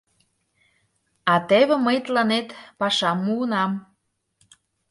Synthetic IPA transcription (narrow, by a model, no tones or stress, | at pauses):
ɑt̪eβĕməjt̪lɑnet̪pɑʃɑmːuɤ̆nɑm